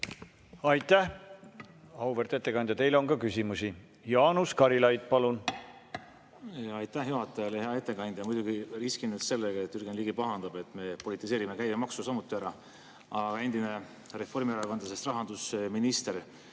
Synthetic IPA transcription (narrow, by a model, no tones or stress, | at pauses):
ɑjt̪ˑːæh | ɑwvert̪et̪ːe̞kɑnd̪jɑt̪e̞jleo̞nkɑkysʲimusi | jɑːnuskɑɾilɑjd̪̥̚pɑlun | ɑjt̪ːæhjuɦɑt̪ːˑɑjɑlehe̞ɑe̞t̪ˑːe̞kɑnd̪̥ʲjɑmujd̪uɡiriskinet̪se̞lːeɡɑet̪ːˑyrɡenliɡipɑɦɑnd̪̥ɑb̥e̞t̪ːˑme̞po̞lit̪ːˑise̞ːɾimekæjɡemɑksusɑmut̪ːˑiæɾɑ | ɑɡ̥ɑe̞nd̪̥ine | re̞fo̞rmiɑɾɑkɑnd̪lɑse̞st̪rɑɦɑnd̪usminist̪eɾ